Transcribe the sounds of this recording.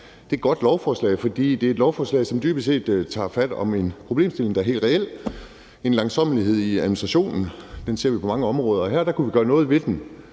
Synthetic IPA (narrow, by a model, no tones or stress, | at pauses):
d̥e̝̥ɡ̥ɒ̽d̥lɒʊfɒːslɛ̰ɪfɒ̽d̥ḭːd̥e̝æɐed̥lɒʊfɒːslɛ̰ɪsɒ̽md̥yːb̥əse̝̰ːd̥t͡sʰɑ̰̈ːfæd̥ɒ̽me̝npʰʁo̝b̥le̝ːmsd̥e̝le̝ŋdɑæɐhḛːld̥ʁɛel̰ | e̝nlɑ̈ŋsɒ̽m̰əliɦe̝ð̞̰ˠiæðˠminisd̥ʁɑɕo̝̰ːnn̩d̥ense̝ɐʋipʰɒ̽mɑ̈ŋəɒ̽mʁɔ̽ːð̞ˠɐːɦæɐd̥ɑ̈kʰuʋiɡ̥ɶːɐnɔ̽ːð̞̩ˠʋe̝d̥en